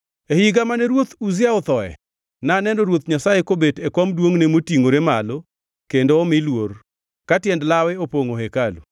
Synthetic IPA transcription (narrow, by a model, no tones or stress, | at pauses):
ehiɡamanɛɾwot̪uzɪaɔt̪ɔɛ̰ | naːnɛnoɾwot̪ɲasajekobetekwɔmdwoŋnemotiŋoɾemalo | kendoːmɪlwor | katjɛndlawɛopoŋoɦekalṵ